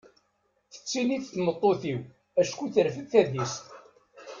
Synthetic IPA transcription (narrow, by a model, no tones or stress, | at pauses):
θə̥t͡sːiniθθmət̪ˤːoθiw | æʃkʷuθəɾfəðθæðist̪